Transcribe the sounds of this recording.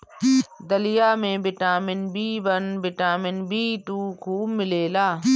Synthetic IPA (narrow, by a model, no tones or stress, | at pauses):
d̪əlɪjaːmẽbɪʈaːmɪnbʱiːbənbɪʈaːmɪnbʱiːt̪uːkʰuːbmɪleːlaː